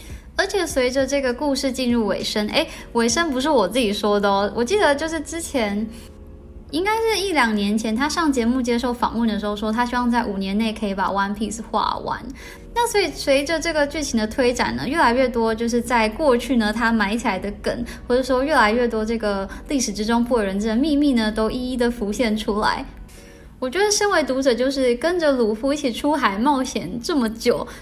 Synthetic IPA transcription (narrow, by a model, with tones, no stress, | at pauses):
ə˞˧˥t͡ɕʰjɛ˨˩swe˧˥ɪʈ͡ʂə˧ʈ͡ʂɤ˥˩ɡə˩ku˥˧ʂɻ̩˥˧t͡ɕi˥˧nɻu˥˩we˨˩ɪʂə˥nʔḛ˥ɪwe˨˩ɪʂə˥npu˧˥ʂ̬ɻ̩˥˩wɔ˨˩t͡s̩˥˩t͡ɕi˨˩ʂwɔ˥d̪ə˨wɔ˨˩t͡ɕi˥˩d̪ə˩˦t͡ɕjo˥˧ʊʂɻ̩˥˩ʈ͡ʂɻ̩˥t͡ɕʰjɛ˧˥n | i˥ŋka˥ɪʂɻ̩˥˧i˥˩ljɑ˨˩ŋnjɛ˧˥nt͡ɕʰjɛ˧˥nt̪ʰa˥ʂɑ˥˩ŋt͡ɕjɛ˧˥mu˥˩t͡ɕjɛ˥ʂo˥˩ʊfɑ̰˨˩˦ŋwə˥˩nd̪ə˩ʂɻ̩˧xo˥˧ʊʂwo˥˧t̪ʰa˥ɕy˥wɑ˥˧ŋt͡sa˥˩ɪu˨˩njɛ˧˥nne˥˩ɪkʰə˧˥i˧˥pa̰˨˩wa˥npʰi˥˩sxwa̰˥˩wa̰˧˥n | na˥˩swɔ˧˥i˨˩swe˧˥ɪʈ͡ʂə˧ʈ͡ʂɤ˥˩ɡə˩t͡ɕy˥˩t͡ɕʰi˧˥nd̪ə˧t̪ʰwe˥ɪʈ͡ʂa̰˨˩nə̰˩˦ɥɛ˥˩la˧˥ɪɥɛ˥˩t̪wɔ˥t͡ɕjo˥˧ʊʂ̬ɻ̩˥˧t͡sa˥˧ɪkwɔ˥˧t͡ɕʰy˥˩nə˩t̪ʰa˥ma˧˥ɪt͡ɕʰi˨˩la˧˥ɪd̪ə˧kə̰˨˩˦nxwɔ˧˥ʈ͡ʂɤ˧˩ʂ̩˧˥o˧ɥɛ˥˩la˧˥ɪɥɛ˥˩t̪wɔ˥ʈ͡ʂɤ˥˩ɡə˩li˥˩ʂɻ̩˨˩ʈ͡ʂɻ̩˥ʈ͡ʂʊ˥ŋpu˥˩˨ɻə˧˦nə˥ə˨˩mi˥˧mi˥˩nə˩t̪o˥ʊʔi˥i˥d̪ə˨fu˧˥ɕjɛ˥˩nʈ͡ʂʰu˥la̰˧˥ɪ | wɔ˨˩t͡ɕɥɛ˧˥d̪ə˧ʂə˥nwe˧˥ɪt̪u˧˥ʈ͡ʂɤ˨˩t͡ɕjo˥˧ʊʂ̬ɻ̩˥˩kə˥nʈ͡ʂə˨lu˨˩fu˧˥i˥˩t͡ɕʰi˨˩ʈ͡ʂʰu˥xa˨˩ɪmɑ˥˩ʊɕjɛ˧˥nʈ͡ʂɤ˥˩mə˩t͡ɕjo˨˩ʊ